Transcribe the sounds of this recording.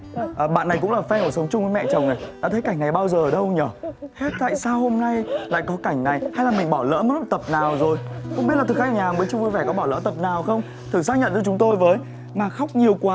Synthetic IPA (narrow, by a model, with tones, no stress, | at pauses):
ʔəː˨˩ɓa̰ː˧˨nːa˨˩jkʊ̰˧˥ŋ͡mlaː˨˩fɛ˧ku˧˩sə˨˦wŋ͡mt͡ɕʊ˧ŋ͡məː˨˦jmɛ̰˧˨t͡ɕə˨˩wŋ͡mnə˨˩jɗa̰ː˧˥t̪ʰə˨˦jka˧˩jŋ̟na˨˩jɓaː˧wzəː˨˩˨ɗə˧wɲəː˧˩ht̚t̪a̰ː˧˨jsaː˧who˧mna˧jla̰ː˧˨jkɔ˨˦ka˧˩jŋ̟na˨˩jha˧jlaː˨˩mï˨˩ŋ̟ɓɔ˧˩lə̰ː˧˥mə˨˦t̚m˨˩t̪ə˨˩p̚naː˨˩wzo˨˩jxŋ͡mmi˦˥t̚la˨˩˨xaː˦˧˨ɲaː˨mvəː˨˦t͡ɕʊ˧ŋ͡mvu˧jvɛ˧˩kɔ˨˦ɓaː˧˩lə̰ː˧˥t̪ə˨˩p̚naː˨˩wxə˧wŋ͡m | t̪ʰɨ˨˧˩saː˦˥k̚ɲə̰˧˨nt͡ɕɔ˧t͡ɕʊ˨˦ŋ͡mt̪o˧jvəː˨˦j | maː˨˩xa˦˥wk͡p̚ɲi˨˩əwkwaː˨˦